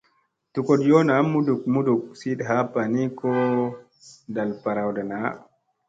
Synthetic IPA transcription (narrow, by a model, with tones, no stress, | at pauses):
tu˨kɔ˨djɔ˦na˨˦mːu˦du˨k̚mu˦du˨k̚si˦ɗɦa˦pa˨ni˦kɔ˦ | da˨lpa˨ɾa˨wda˨na˨˦